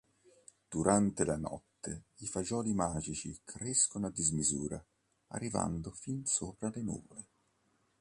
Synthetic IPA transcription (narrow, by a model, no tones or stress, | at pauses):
d̪̥uɾʔant̪elanɔ̰t̪ːeifad͡ʒɔːlimaːd͡ʒit͡ʃḭkʰɾeskonad̪ːizmizuːɾa | a̰rːiva̰nd̪ofinsoːpɾalenṵːvole